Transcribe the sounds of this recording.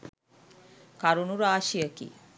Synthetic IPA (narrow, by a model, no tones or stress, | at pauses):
kaɾunuɾaːʃijəkḭ